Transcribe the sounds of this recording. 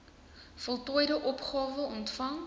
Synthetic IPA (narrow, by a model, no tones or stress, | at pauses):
fɔlˠtɔjdəʔɔpχɑːvəɔntfɐŋ